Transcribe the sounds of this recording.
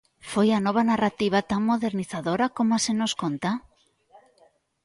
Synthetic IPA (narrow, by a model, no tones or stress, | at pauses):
fojanɔβ̞anarat̪iβ̞at̪aŋmoðeɾniθaðoɾakomasenoskont̪a